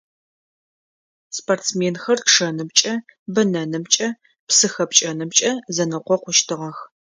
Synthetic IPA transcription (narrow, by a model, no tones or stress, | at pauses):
sportt͡smeːnxɐrʂɐnɨmt͡ʃʼɐbɐnɐnɨmt͡ʃʼɐ | psɨxɐpt͡ʃʼɐnɨmt͡ʃʼɐzɐnɨqʷɔqʷʊʃtʰɨʁɐx